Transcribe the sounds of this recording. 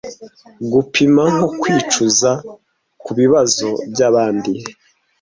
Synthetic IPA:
ɡupʰimaŋokwiːt͡ʃuza | kuβiβazo̞bɟaβaːndi

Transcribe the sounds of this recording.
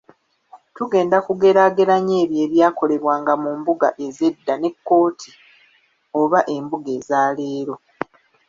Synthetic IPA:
tuɡe̞ːndakuɡe̞ɾaɡe̞ɾaɲe̞ːβje̞ːβjaːko̞le̞βwaːŋɡamumbuɡa̰ʔe̞ze̞dːane̞kːo̞ːtʰi | o̞βaʔe̞mbuɡe̞ːzaːle̞ːɾo̞

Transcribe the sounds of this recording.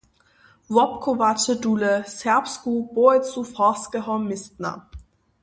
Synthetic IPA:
vɔp̚kʰovat͡ʃəduːləsɛɐpskub̥oɛt͡sufɔskəɦɔmːɪstna̰

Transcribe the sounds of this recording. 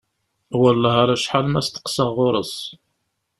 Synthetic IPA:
wəlːæɦaɾæʃħalmæst̪ə̥qsəʁːʊɾˤəs

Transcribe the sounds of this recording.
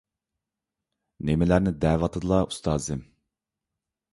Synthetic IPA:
nemɪlæɾnɪd̪ɛːvɑt̪ʰɨd̪ɨlˠɑust̪ʰɑːzɨm

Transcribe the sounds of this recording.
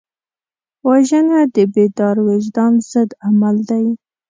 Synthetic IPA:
waʒənad̪əbed̪ɑɾweʒd̪ɑnz̥əd̪amald̪aj

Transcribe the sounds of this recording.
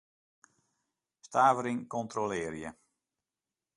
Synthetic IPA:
staːvəɾiŋkɔntrolɪːrjə

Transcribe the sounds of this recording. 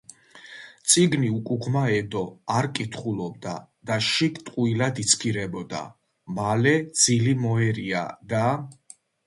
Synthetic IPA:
t̪sʼiɡniukʼuɡʰmaɛd̪ɔaɾkʼit̪ʰχulɔb̚d̪ad̪̥aʃikt̪ʼqʼuilad̪it̪sʰkʰiɾɛbɔd̪a̰ | malɛd̪z̥ilimɔɛɾia̰d̪a

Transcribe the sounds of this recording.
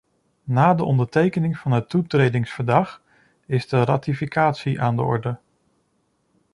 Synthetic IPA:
naːdəʔɔndəɹtejkənɪŋv̥ɑnɦətutrejdɪŋsfəɹdɑχ | ɪzdəraːtifikaːtsiʔaːndə̰ɔ̰ɹdə

